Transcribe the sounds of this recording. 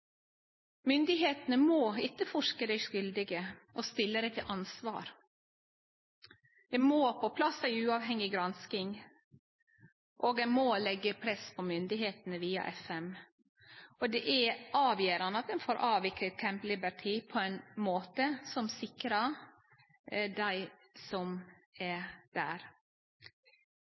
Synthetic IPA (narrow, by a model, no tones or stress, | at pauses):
mʏnd̪ɪɦeːt̪nəmoːɪt̪ːəfɔʂkəd̪æɪʂʏld̪ɪɡəʔɔst̪ɪlːəd̪æɪt̪ʰɪlʔɑnsʋɑ̰ːɾ | d̪ɛmoːpʰɔpʰlɑsæɪʉːɑːʋhɛŋɪɡɾɑnskɪŋ | ʔoːɡ̪ɛɪmoːlɛɡːəpʰɾɛspʰɔmʏnd̪ɪɦeːt̪nəʋiːɑ̰ʔɛfɛm | ʔɔd̪ɛʔæʔɑːʋjeːɾɑnəɑt̪̚d̪ɛnfoːɾʔɑːʋɪklət̪̚kʰɛmplɪbəɾʈʰiːpʰɔæɪnmoːt̪əsɔmsɪkɾɑ | d̪æɪsɔm | æd̪̥æ̰ːɾ